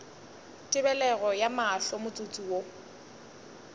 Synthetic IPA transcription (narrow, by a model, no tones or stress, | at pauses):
tʼɪbɛlɛɣɔjamaɬɔmʊt͡sʼut͡sʼuwo